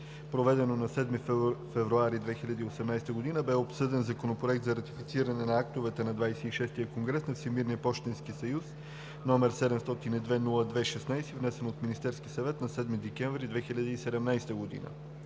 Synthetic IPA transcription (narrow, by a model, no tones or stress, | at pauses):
pɾovɛd̪ɛnonɐsɛd̪mifɛvɾuaɾid̪vɛxilʲɐd̪iːosɛmnajst̪əɡod̪inəbɛopsɤd̪ɛnzɐkonopɾoɛk̚t̪zɐɾɐt̪ifit̪siɾɐnɛnɐakt̪ovɛt̪ɛnɐd̪vajsɛiʃɛst̪ijəkoŋɡɾɛsnɐfsimiɾniəpɔʃt̪ɛnskisɐjus | nɔmɛɾsɛd̪ɛmst̪ɔt̪inid̪vɛnulˠəd̪vɛʃɛsnajsivnɛsɛnot̪minist̪ɛɾsk̟isɐvɛt̪nɐsɛd̪mid̪ɛkɛɱvɾid̪vɛxiʎʲəd̪iːsɛd̪ɛmnajst̪əɡod̪ḭnə̰